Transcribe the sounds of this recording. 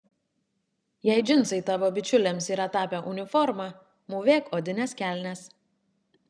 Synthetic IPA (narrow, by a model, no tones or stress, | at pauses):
jɛɪd͡ʒʲɪnˑsɐɪt̪ɑːʋoːbʲɪt͡ʃʲʊlʲeːmsiːɾɐt̪ɑːpʲɛʔʊnʲɪfɔɾmɑ | muːʋʲeːkoːd̪ʲɪnʲɛskʲæːˑlʲnʲɛs